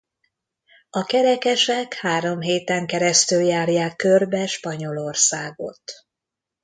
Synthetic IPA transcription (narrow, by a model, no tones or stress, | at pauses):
ɒkɛɾɛkɛʃɛkhaːɾo̞mɦeːt̪ɛŋkɛɾɛst̪yljaːrjaːkːørbɛʃpɒɲo̞lorsaːɡo̞̰t̪